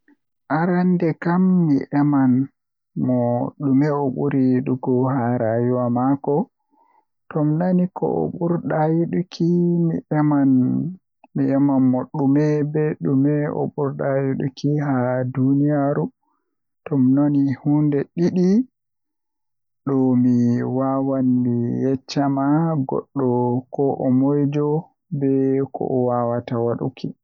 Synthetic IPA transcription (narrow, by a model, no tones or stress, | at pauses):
ʔaɾandɛkamːiʔɛman | mɔɗumɛɔɓuɾiɗuɡɔɦaɾajuwamakɔ | tɔmnanikɔ̰ʔɔ̰ɓuɾɗajiɗukʰimḭʔɛman | miɛmanmɔɗumɛbɛɗumɛʔɔ̰ɓuɾɗajuɗṵkihadunijaɾu | tɔmnonihundɛɗiɗi | ɗɔmiwawanmijɛt͡ʃːamaɡɔ̰ɗːɔkɔʔɔmɔjd͡ʒɔ | bɛkʰɔ̰ʔɔwawatawaɗṵkʰi